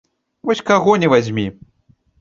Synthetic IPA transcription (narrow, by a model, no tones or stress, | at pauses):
vɔsʲkaɣɔnʲɛvazʲmʲi